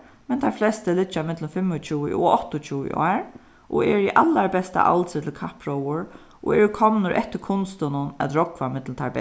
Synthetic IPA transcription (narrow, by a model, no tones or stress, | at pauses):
mɛnt̪ʰaɹflɛst̪əlɪt͡ʃːamɪt̪lʊmfɪmːʊt͡ʃʰuːə̰ʔɔɔht̪ʊt͡ʃʰuːɪ̰ʔɔ̰ːɹ | ʔɔ̰ɛːɹiʔalːaɹbɛst̪a̰ʔa̰lt̪sɪt̪ʰɪlkʰahpɹɔwʊɹ | ʔɔ̰ɛɹkʰɔmnʊɾʔɛ̰ht̪ːɪɾkʰʊnst̪ʊnʊnæ̰t̪ɾɔkʋamɪt̪lnt̪ʰaɹbɛ